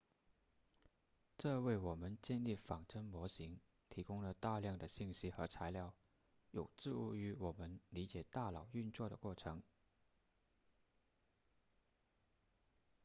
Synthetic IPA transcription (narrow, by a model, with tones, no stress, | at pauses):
ʈ͡ʂɤ˥˧we˥˩ɪwɔ˨˩mə˧˦nt͡ɕjɛ˥˧nli˥˩fɑ˨˩ŋʈ͡ʂʰə˥ŋmwɔ˧˥ɕi˧˥ŋ | t̪ʰi˧˥kʊ˥ŋlə˨t̪a˥˧ljɑ˥˩ŋd̪ə˩ɕi˥˩nɕi˥xɤ˧˥t͡sʰa˧˥ɪljɑ˥˩ʊ | jo˨˩ʊʈ͡ʂɻ̩˥˩u˧˥y˧˥wɔ˨˩mə˦˥nli˧˥t͡ɕjɛ˨˩t̪a˥˩lɑ˨˩ʊy˥˧nt͡swɔ˥˩ɾə̰˨˩kwɔ˥˩ʈ͡ʂʰɤ˧˥ŋ